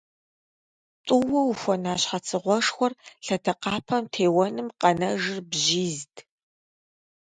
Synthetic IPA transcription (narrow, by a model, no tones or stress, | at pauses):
tʷʼʊwɐwuxʷɔnaːɕħɐt͡sʰɨʁʷɔʂxʷɔrɬɐtʰɐqɑːpʰɐmtʰeːwɐnɨmqɐnɐʒɪrbʑiːztʰ